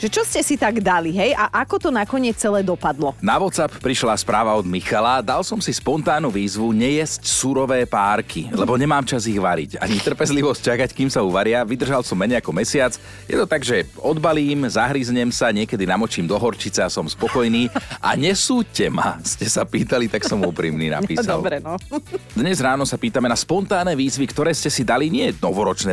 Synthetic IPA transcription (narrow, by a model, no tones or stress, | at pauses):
ʒɛt͡ʃɔscɛsit̪aɡd̪aliɦɛjʔaʔakɔt̪ɔnakɔɲɪɛt͡st͡sɛlɛːd̪ɔpad̪lɔnaʋɔt̪t͡sapːɾiʃlaspɾaːʋaɔd̪mixalad̪alsɔmsispɔnt̪aːnuʋiːzʋuɲɛjɛscsuɾɔʋɛːpaːɾkʰilɛbɔɲɛmaːmt͡ʃaziɣʋaɾḭca̰ɲit̪r̩pɛzliʋɔsc̚t͡ʃakackiːmsauʋaɾɪaʋid̪r̩ʒalsɔmːɛɲɛjakɔmɛsɪat͡s | jɛ̰t̪ɔt̪aɡʒɛ | ɔd̪baliːmzaɦɾizɲɛmsaɲɪɛkɛd̪inamɔt͡ʃiːmd̪ɔɦɔɾt͡ʃit͡sɛasɔmspɔkɔjniːʔa̰ɲɛsuːcɛma̰scɛsapiːt̪alit̪aksɔmuːpɾiːmnḭːna̰piːsa̰lɾɛ | d̪ɲɛzɾaːnɔsapiːt̪amɛnaspɔnt̪aːnɛːʋiːzʋikt̪ɔɾɛːscɛsid̪aliɲɪɛnɔʋɔɾɔt͡ʃnɛː